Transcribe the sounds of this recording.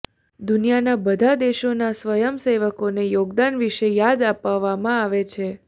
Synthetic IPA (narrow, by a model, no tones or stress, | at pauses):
d̪unijanabəd̪ʱad̪eʃonasʋəjəmseʋəkonejoɡd̪anʋiʃejad̪apaʋːamãaʋet͡ʃʰe